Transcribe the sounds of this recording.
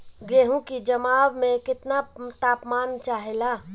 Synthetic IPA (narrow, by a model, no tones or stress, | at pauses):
ɡeːɦũkid͡ʒɐmaːbmẽkɪt̪nat̪aːpmaːnt͡ʃaːɦelaː